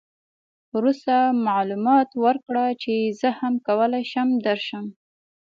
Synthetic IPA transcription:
ɾust̪amaʕlumɑt̪wəɾkɽat͡ʃezəhamkawəlajʃəmd̪əɾʃəm

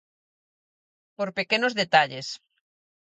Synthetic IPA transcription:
poɾpekenozðet̪aʎes

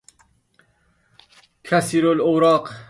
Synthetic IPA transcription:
kʰæsiːɾolowɾɑːq

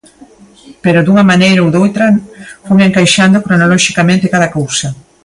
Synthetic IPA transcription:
peɾod̪uŋɐmanejɾowðowt̪ɾɐfojeŋkajʃand̪okɾonalɔʃikamẽnt̪ɪkaðɐkowsɐ

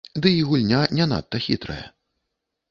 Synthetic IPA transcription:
d̪ɨiɣulʲnʲanʲɛna̰t̪ːɐxʲḭt̪ɾɐ̰jɐ̰

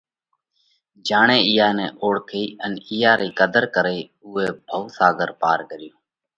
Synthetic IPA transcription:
d͡ʒaːɳeːɪjaːneːʔoːɽkʰiːənɪjaːɾiːkəd̪əɾkəɾeː | uːeːbʱəʊsaːɡəɾpaːɾkəɾɪjoː

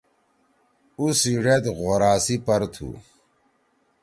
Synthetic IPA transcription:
usiɖet̪ɣoɾaːsipɐɾt̪ʰṵ

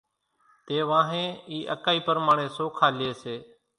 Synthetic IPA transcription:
t̪eːʋãːɦẽːiːʔəkaːiːpəɾmaːɳeːsoːkʰaːlɪeːseː

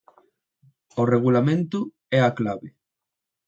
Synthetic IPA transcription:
oreɣ̞ulamẽnt̪ʊ | ɛaklaβɪ

